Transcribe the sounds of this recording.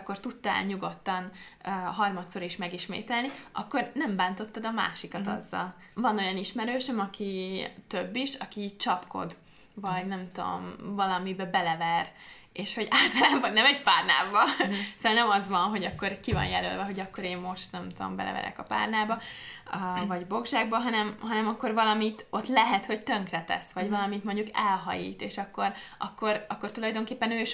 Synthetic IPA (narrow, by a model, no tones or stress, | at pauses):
kːo̞rt̪ut̪ːɒɛ̰lɲuɡo̞t̪ːɒnːɦɒrmɒt̪so̞ɾiʃmɛɡiʃmḛːt̪ɛlniʔɒ̰kːo̞rnɛmbaːnt̪o̞t̪ːɒd̪ɒma̰ːʃikɒt̪ɒ̰zːɒ̰l | vɒno̞jɒniʃmɛɾøːʃɛmɒkit̪øbːiʃɒkit͡ʃɒpko̞̰d̪ | vɒɟnɛmt̪o̰mvɒlɒmibɛbɛlɛvɛr | eːʃho̞ɟaːlt̪ɒlaːbvɒɟnɛmɛcpaːrna̰ːvɒsalnɛmɒzʋɒnɦo̞ɟɒkːo̞rkivɒ̰njɛlø̰ːlvɛɦo̞ɟɒkːo̞ɾeːmmo̞ʃt̪nɛmt̪uo̰mbɛ̰lɛ̰vɛ̰ɾɛ̰kɒpa̰ːrnaːbɒ | vɒɟbo̞ɡʒaːɡbɒɦɒnɛmɦɒnɛmɒkːo̞rvɒlɒmit̪o̞t̪lɛɦɛt̪ho̞ct̪ø̞ŋkrɛt̪ɛ̰sʋɒɟvɒlɒmit̪mo̞ɲɟukɛlɦɒ̰jḭːt̪eːʃɒkːo̞ɾɒkːo̞ɾɒkːo̞rt̪ulɒjd̪o̞ŋkeːpːɛnøːiʃ